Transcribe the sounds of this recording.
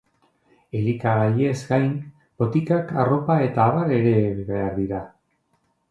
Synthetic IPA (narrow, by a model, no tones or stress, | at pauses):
e̞likaɣaʎie̞zɡajn | bo̞t̪ikakaro̞pae̞t̪aːβaɾe̞ɾe̞ββeaɾðiɾa